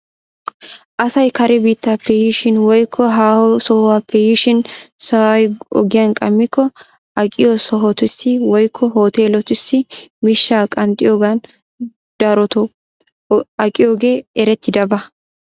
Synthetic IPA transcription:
ʔɐsɐjkɐɾɛbiːt̪ːaːpːɛjɪʃɪnwɔjkʰːɔɦaːhɔsɔːwaːpːɛjɪʃɪnsɐwɐjɔ̰ɡɪjɐnkʼɐmːɪkːɔ | ɐkʼɪjosɔɦɔt̪ʊsːɪwɔjkʰːɔɦoːt̪e̞ːlɔt̪ʊsːɪmɪʃːaːkʼɐnt̪ʼɪjoːɡan | d̪̥ɐɾɔt̪ɔ | ɐkʼɪjo̞ːɡe̞ːɛɾɛt̪ːɪd̪ɐbɐ

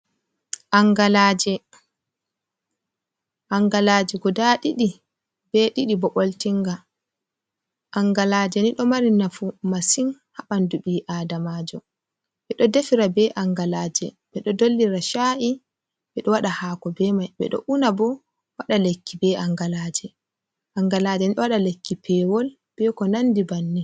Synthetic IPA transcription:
ʔaŋɡalaːd͡ʒɛ | ʔaŋɡalaːd͡ʒiɡɔdaɗiɗi | bɛɗiɗibɔɓoltiŋɡa | ʔaŋɡalaːd͡ʒɛniɗɔmaɾinafumasin | haɓanduɓiʔaːdamaːd͡ʒɔ | ɓɛɗɔdefiɾabɛʔaŋɡalaːd͡ʒɛ | ɓɛɗɔdolːiɾaʃaʔi | ɓɛɗɔwaɗahakɔbɛmajɓɛ̰ɗɔ̰ʔunabɔ | waɗalekːibɛaŋɡalaːd͡ʒɛ | ʔaŋɡalaːd͡ʒɛniɗɔwaɗalekːipɛwɔl | b̥ɛkɔnandibanːi

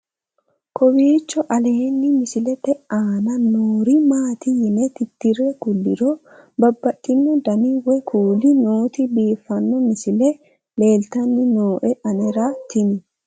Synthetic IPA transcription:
kʰɔwiːt͡ʃːɔʔɐle̞ːnːɪmɪsɪlɛt̪ɛʔaːnɐnoːɾimaːt̪ɪjɪnɛt̪ɪt̪ːɪrːɛkʊlːɪ̰ɾɔ | bɐbːɐʔɪnːʊd̪ɐniwɛkuːlɪnoːt̪ɪbiːfːɐnːɔmɪsɪlɛ | le̞ːlt̪ɐnːɪnoːʔɛʔɐnɛɾat̪ɪnɪ

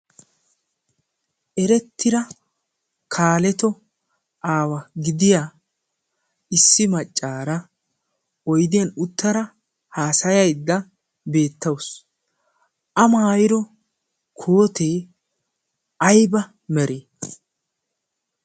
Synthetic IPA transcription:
ʔɛɾɛt̪ʰːɪɾɐ | kʰaːlɛt̪ɔ | ʔaːwɐɡɪd̪ɪja | ɪsːɪmɐt͡ʃʼːaːɾɐ | ɔjd̪ɪjɐnʊt̪ːɐɾɐ | haːsɐjɐjd̪ːɐ | be̞ːt̪ːɐws | ʔɐmaːjɪɾɔ | kʰoːt̪eː | ʔɐjbɐ | mɛɾʔeː

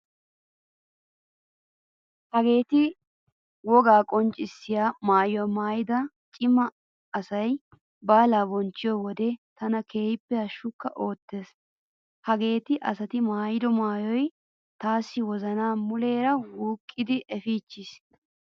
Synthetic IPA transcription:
hɐɡe̞ːt̪ɪ | wɔɡaːkʼɔnt͡ʃʼɪsːɪjaːmaːjɔmaːjɪd̪ɐ | t͡ʃʼɪmɐː | sɐj | baːlaːbɔnt͡ʃːɪjɔwɔd̪ɛt̪ɐnɐkʰe̞ːjɪpːɛhɐʃːʊkːɐʔo̞ːt̪ːe̞ːs | hɐɡe̞ːt̪ɪʔɐsɐt̪ɪmaːjɪd̪ɔmaːjɔj | t̪aːsːɪwɔzɐnaːmʊle̞ːɾɐwuːkʼːɪd̪ɪʔɛfiːt͡ʃːɪs

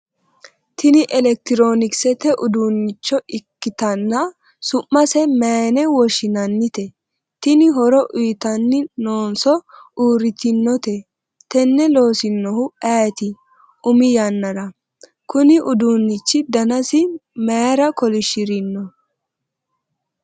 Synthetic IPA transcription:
t̪ʰɪnɪʔɛlɛk̚t̪ɪɾo̞ːnɪksɛt̪ɛʔʊd̪uːnːɪt͡ʃːɔɪkːɪt̪ɐnːɐ | sʊʔːɐsɛmɛːnɛwɔʃɪnɐnːɪt̪ɛ | t̪ɪnɪɦɔɾɔʔʊjt̪ɐnːɪnoːnsɔuːɾɪt̪ɪnːɔt̪ɛ | t̪ɛnːɛlo̞ːsɪnːɔhʊaːt̪ɪ | ʊmɪjɐnːɐɾɐ | kʊnɪʔʊd̪uːnːɪt͡ʃːɪd̪ɐnɐsɪmeːɾɐkɔlɪʃɪɾɪnːɔ

